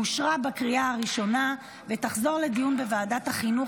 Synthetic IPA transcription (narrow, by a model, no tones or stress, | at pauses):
uʃʁabakʁiaaʁiʃo̞na | vet̪aχzo̞ʁle̞dijunbevaːdathaχinu